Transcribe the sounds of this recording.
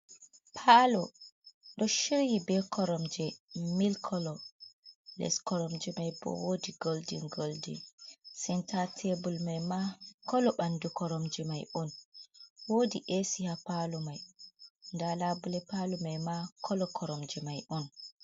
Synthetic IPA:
pʰaːlɔ | ɗɔʃiɾjibɛkʰɔɾɔmd͡ʒɛmilkʰɔlɔ | lɛ̰skɔɾɔmd͡ʒɛmajbɔ̰woːdiɡoldḭnɡoldḭnsɛntatʰebulmajmakɔlɔɓandukɔɾɔmd͡ʒɛmajʔɔn | woːdiʔesihapalumajndalabulɛpalumajmakʰɔlɔkʰɔɾɔmd͡ʒɛmajʔɔn

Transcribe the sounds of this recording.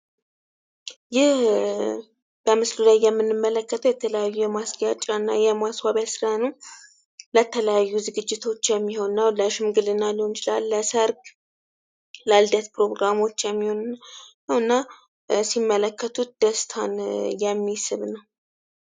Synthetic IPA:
jɪh | b̥əmɨslulajːɛmːɨnːɨmːələkːət̪ʰəwjɛt̪ʰələjajːujɛmasɡat͡ʃʼanːajɛmaswaβjasɨɾanəw | lət̪ʰələjajːuzɨɡɨd͡ʒːɪt̪ʰo̞t͡ʃːjɛmːiho̞nnːawləʃɪmɡɨlɨnːalihont͡ʃʰɪlalːəsəɾɡ | lald̪ət̪pɾo̞ɡɾamo̞t͡ʃːjɛmːiho̞n | əwɨnːa | simːələkʰːət̪ʰut̪̚d̪̥əst̪ʰanjɛmːisɨβnəw

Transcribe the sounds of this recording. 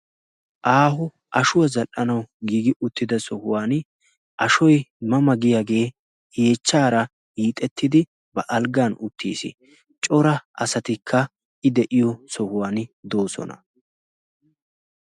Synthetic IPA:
ʔaːhʊ | ʔɐʃʊwɐzɐlʔɐnɐwɡiːɡɪʔʊt̪ːɪd̪ɐsɔhʊwaːn | ʔɐʃɔjmɐmɐɡɪjaːɡe̞ː | heːt͡ʃːaːɾɐ | hiːt̪ʼɛt̪ːɪd̪ɪ | bɐʔɐlɡanʊt̪ʰːḭːsɪ̰ | t͡ʃʼɔɾɐʔɐsɐt̪ɪkʰːɐ | ʔɪd̪ɛʔɪjɔsɔhʊwaːnd̪oːsɔ̰nɐ̰

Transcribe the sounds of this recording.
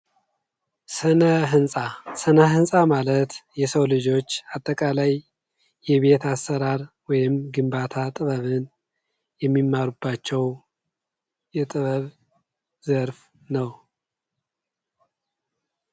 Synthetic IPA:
sənəɦɨnsʼasənəɦɨnsʼamalət̪jɛsəwlɨd͡ʒo̞t͡ʃːat̪ʼːəkʼalajː | ɛβe̞t̪ʰasːəɾaɾ | wɔjɪmɡɨmbat̪ʰat̪ʼɨβəβɨn | jɛmːimːaɾubːat͡ʃːɛw | jɛt̪ʼɨβəβ | zəɾf | nəw

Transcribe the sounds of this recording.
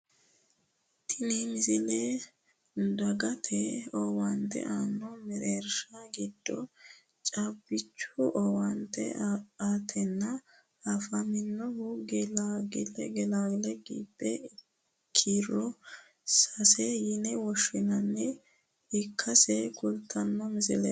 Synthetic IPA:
t̪ʰɪnimɪzɪle | d̪ɐɡɐt̪ʰɛowɐnt̪ɛ̰ʔaːnːɔmɛɾeɾʃɐɡɪd̪̥ːɔ | t͡ʃʼɐbːɪt͡ʃːʊʔɔwɐnt̪ɛ̰at̪ʰɛnːɐ | ɐfɐmɪnːɔhʊɡlaɡɪlɛɡɛlaːɡɪlɛɡḭːbːɛ | kʰːiɾɔ | sɐsɛjɪnɛwɔʃːɪnɐnːɛ | ɪkʰːɐsɛkʊlt̪ʰːɐnːɔmɪzɪ̰lɛ̰

